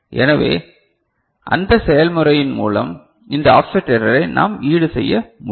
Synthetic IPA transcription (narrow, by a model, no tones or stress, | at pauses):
ʔɛ̰nɐʋḛː | ʔɐnd̪ɐsɛjɐlmɯɾɐjɪnmṵːlɐ̰m | ɪnd̪ɐafsɐʈːɛɾɐlɐɪnʔa̰ːmiːɽɯsɛjːɐmʊ